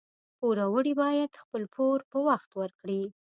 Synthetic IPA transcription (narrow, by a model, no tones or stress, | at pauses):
poɾawəɽibɑjad̪xpəlpʰoɾpəwaxt̪wəɾkɽi